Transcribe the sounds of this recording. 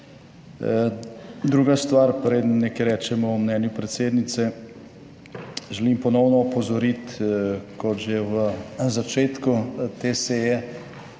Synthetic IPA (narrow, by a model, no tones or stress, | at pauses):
d̪ɾuːɡast̪ʋaɾpɾeːd̪ənːɛkeɾɛːt͡ʃɛmɔɔmnɛːnjupɾɛt̪seːd̪nit̪sɛ | ʒɛlimpɔnɔwnɔːpɔzɔɾit̪kɔt̪ʒeʋəzat͡ʃeːt̪kut̪eːseːjɛ